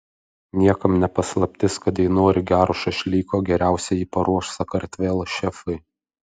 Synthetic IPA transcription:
nʲiɛkɐmnʲɛpɐslˠɐpʲt̪ʲɪskɐt̪jɛɪnoːɾʲɪɡʲæːɾoʃɐʃʲlʲiːkoːɡʲɛɾʲæˑʊsʲɛjiːpɐɾuɔʃsɐkɐɾʲt̪ʲʋʲeːlˠʃʲɛfɐɪ

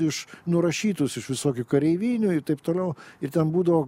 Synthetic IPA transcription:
ɪʃnʊɾɐʃʲiːt̪ʊsɪʃʋʲɪsoːkʲʊkɐɾʲɛɪʋʲiːnʲʊɪɾt̪ɐɪp̚t̪oːlʲɛʊɪrt̪ʲɛnbuːd̪ɐʋoː

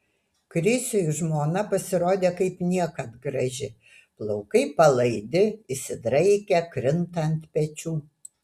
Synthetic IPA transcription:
kɾʲɪsʲoʊʒmoːnɐpɐsʲɪɾoːd̪ʲeːkɐɪpnʲiɛkɐt̪ɡɾɐʒʲɪ | plˠɒʊkɐɪpɐlˠɐɪd̪ʲɪɪsʲɪd̪ɾɐɪkʲɛkɾʲɪnt̪ɐnʲt̪pʲɛt͡ʃʲuː

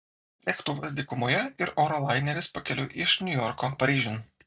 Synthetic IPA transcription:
lʲɛkt̪ʊʋɐs̬ʲd̪ʲɪkʊmoːjɛɪɾɔːɾɔlˠɑˑɪnʲɛɾʲɪspɐkʲɛlʲʊʔɪʃnʲʊjɔɾkoːpɐɾʲiːʒʲun

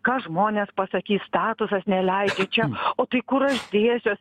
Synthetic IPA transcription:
kɑːʒmoːnʲeːspɐsɐkʲiːsst̪ɑːt̪ʊsɐsnʲɛlʲɛɪd͡ʒʲet͡ʃʲɛoːt̪ɐɪkʊɾɐʃd̪ʲeːsʲoːs

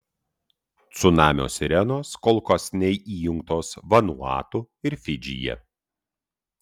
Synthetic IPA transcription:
t̪sʊnɑːmʲo̰ːsʲɾʲɛnoːskɔlˠˑkɔsʲnʲɛɪʔiːjʊŋk̚t̪oːsʋɐnṵɑ̰ːt̪u | ɪɾfʲɪd͡ʒʲɪ̰jɛ̰

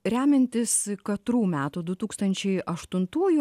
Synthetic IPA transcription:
ɾʲæːmʲɛnʲt̪ʲɪskɐt̪ɾuːmʲæːt̪uːd̪ʊt̪uːkst̪ɐnʲt͡ʃʲɛɪʔɐʃt̪ʊnt̪uːju

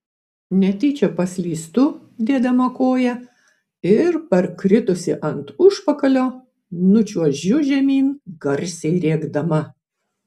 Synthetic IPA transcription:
nʲɛt̪ʲiːt͡ʃʲɛpɐsʲlʲiːst̪ʊ | d̪ʲiɛd̪ʲɐmɐkoːjɛ | ɪɾpʲɛɾkɾʲɪt̪ʊsʲɪʔɐnt̪ʊʃpɐkɐlʲoː | nʊt͡ʃʲuɔʒʲʊʒʲɛmʲiːnɡ̥ɐɾʲsʲɛɪɾʲeːɡd̪ɐmɐ

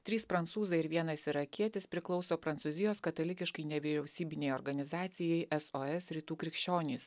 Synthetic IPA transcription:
t̪ʲɾʲiːspɾɐnt̪suːzɐɪɾʋʲiɛnɐsɪɾɐkʲiɛt̪ʲɪspʲɾʲɪklˠɒʊsoːpɾɐnt̪suːzʲɪjoːskɐt̪ɐlʲɪkʲɪʃkɐɪnʲɛʋʲiɾʲɛʊsʲiːbʲɪnʲɛɪoːɾɡɐnʲɪzɑːt̪sʲɪjɛɪʔɛsoːɛsɾʲiːt̪uːkɾʲɪkʃʲt͡ʃʲoːnʲiːs

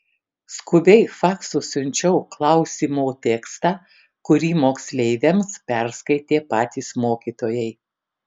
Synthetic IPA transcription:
skʊbʲɛɪfɑːksʊsʊnʲt͡ʃʲɛʊklˠɐʊsʲiːmoːt̪ʲɛːkst̪ɑː | kʊɾʲiːmoːksʲlʲɛɪʋʲemspʲæɾskɐɪt̪ʲeːpɑːt̪ʲiːsmoːkʲiːt̪oːjɛɪ

